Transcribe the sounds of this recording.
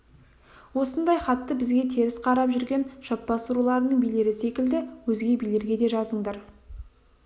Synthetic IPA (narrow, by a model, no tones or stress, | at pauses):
wo̞sənd̪ɑjχɑt̪ːəbɪzɡʲe̞t̪ʰe̞ɾɪsqʰɑɾɑpʒʏɾɡʲe̞nʒɑp̚bɑsuɾulˠɑɾənəɴbijle̞ɾɪse̞kʲɪld̪ɪwɵzɡʲe̞bijle̞ɾɡʲe̞d̪e̞ʒɑzəɴd̪ɑɾ